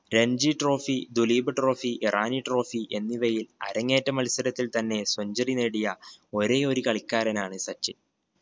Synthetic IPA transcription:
ɾeɲd͡ʑiʈro̞ːfid̪uliːbɨʈro̞ːfiʔirʔaːniʈro̞ːfiʔe̞nːiʋɐjilɐ̰ɾɐŋːeːtːɐmɐlisɐɾɐt̪ːilt̪ɐnːe̞swɐɲd͡ʑɐrineːɽijɐo̞ɾe̞o̞ɾukɐɭikːaːɾɐnaːɳɨsɐt͡ɕːi

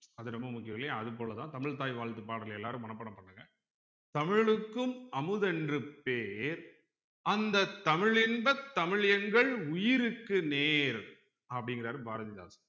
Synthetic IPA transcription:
ɐðɯɾɐmːɐmʊkːɪjɐmɪlːɐjaːɐðɯp̬ːoːlɐt̪ãːt̪ɐmɪɻt̪̬aːjʋaːɭt̪ːɯpaːɽɐlɛlːaːɾɯmːɐnɐpːɐɳɐpːɐɳːɐŋɡɐ | t̪ɐmɪɻɯkːɯmɐmɯðɛndrɯpeːɾ | ɐnd̪ɐt̪ːɐmɪɻɪnbɐt̪ːɐmɪɻjɐŋɡɐɭʊjɪɾɯkːɯneːɾ | ɐpːɐɽɪŋɡɪɾaːɾɯbʱaːɾɐðɪða̰ːsɐ̥

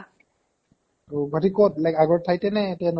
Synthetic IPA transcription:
obʱatikɔt̚lɛkaɡɔɹtʰajtɛnɛtɛn

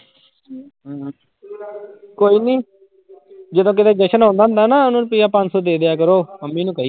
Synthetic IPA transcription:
koːiːniː | d͡ʒəd̪õːk̬ɪd̪eːd͡ʒeʃənɦõːnd̪aːɦnd̪aːnaːʊnũːnpɪːaːpãnd͡ʒsɔːd̪eːd̪ɪjaːkəɾoːməmːiːnũːkəiː

